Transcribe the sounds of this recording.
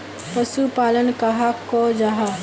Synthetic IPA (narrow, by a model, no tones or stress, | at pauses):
pɐsupaːlənkaɦakod͡ʒaɦa